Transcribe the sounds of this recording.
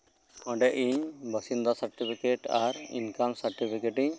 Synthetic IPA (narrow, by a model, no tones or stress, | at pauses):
ɔ̃ɖɛʔiɲbəsind̪ɔsəɾʈipʰikeʈaɾḭnkamsəɾʈipʰikeʈiɲ